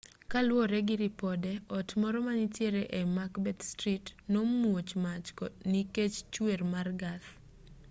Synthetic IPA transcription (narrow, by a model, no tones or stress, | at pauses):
kalwɔɾɛɡɪɾipɔdɛɔtmɔɾɔmanitjeɾeʔemakbɛt̪stɾitnomuot͡ʃmat͡ʃkɔniket͡ʃt͡ʃwermarɡaθ